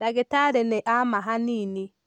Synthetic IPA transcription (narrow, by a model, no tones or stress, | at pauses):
ɾaɡetaɾɛnɛʔamaɦanini